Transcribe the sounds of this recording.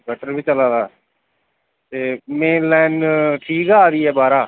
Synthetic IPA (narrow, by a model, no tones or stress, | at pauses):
ɡʱəʈʰəɾbiːt͡ʃəlaːd̪aː | t̪eːmeːnlɛːnʈʰiːkaːaːd̪iːɛːbaːɾaː